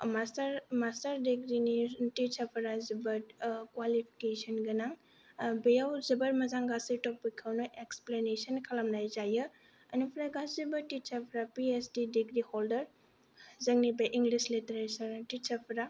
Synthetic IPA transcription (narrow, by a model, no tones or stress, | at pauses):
masɾmastɐɾdiɡɾinitit͡ʃɐpʰɐɾazibɐɾkwalipʰi̥kesɐnɡɐnaŋ | bejawzɐbɐɾmɐzaŋɡasitɔpikʰːawnoʔeksplenesənkʰɐlɐmlajzajɯ | ɐnupʰɾaɡaszibɐtit͡ʃɐpʰɾapiesdidiɡɾihɔldɐɾ | zɐŋnibɐjʔiŋɡlislitɾesɐɾtit͡ʃɐpʰɾa